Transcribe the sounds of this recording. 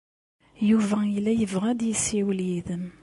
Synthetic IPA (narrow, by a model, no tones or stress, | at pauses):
juvæilːæjəvʁæd̪jəsːiwljiðəm